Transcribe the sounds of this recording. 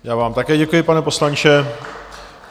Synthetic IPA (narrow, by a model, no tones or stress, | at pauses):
jaːvaːmt̪akɛːɟɛkujɪpanɛpo̞slant͡ʃɛ